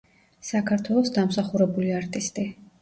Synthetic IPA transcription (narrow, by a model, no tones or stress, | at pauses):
sakʰaɾt̪ʰwɛlˠɔsd̪amsaχuɾɛbuliaɾt̪ʼist̪ʼi